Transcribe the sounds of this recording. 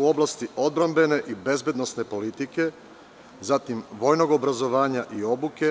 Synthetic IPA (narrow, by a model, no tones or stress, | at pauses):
uo̞blˠast̪io̞d̪̚bɾambe̞ne̞ʔibe̞zbed̪no̞sne̞po̞lit̪ike̞ | zat̪imʋo̞jno̞ɡo̞bɾazo̞ʋaːɲaʔio̞buke̞